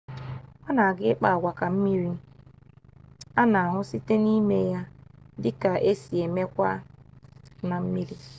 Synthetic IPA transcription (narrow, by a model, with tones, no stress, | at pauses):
a˦na˨a˨ɡɪ˦k͡pa˦a˨ɡʷa˨ka˨m̩˦mi˦ɾi˦ | a˦na˨a˨ɦʊ˦si˦te˦ni˦me˦ja˦dɪ˦ka˨ʔe˦si˨e˨me˦kʷa˦ | na˨m̩˦mi˦ɾi˦